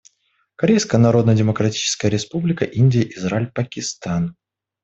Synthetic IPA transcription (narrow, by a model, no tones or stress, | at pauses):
kɐɾʲejskəjənɐɾo̞d̪nədʲɪməkɾɐtʲi̥t͡ɕɪ̥skəjəɾʲɪspublʲɪkəʔinʲdʲɪjəʔɪzɾalʲpəkʲɪst̪an